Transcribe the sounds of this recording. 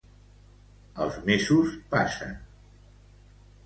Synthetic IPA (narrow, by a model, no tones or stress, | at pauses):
ə̰lˠzmezuspasə̰n